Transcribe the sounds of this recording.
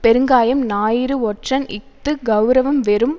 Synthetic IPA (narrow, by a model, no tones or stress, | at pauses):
pɛɾɯŋɡaːjɐmnaːjɪɾɯɔʈrɐnʔɪt̪ːɯɡɐʊɾɐʋɐmʋɛɾɯm